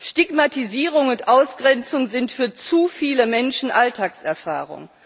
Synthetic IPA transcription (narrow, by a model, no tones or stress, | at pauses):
ʃtiɡmatiziːʁ̞ʊŋʊntʔaʊsɡ̥ʁɛnt͡sʊŋzɪntfyːɐt͡sufiːləmɛnʃn̩ʔaltʰaːksɛɐfa̰ːʁ̞ʊ̰ŋ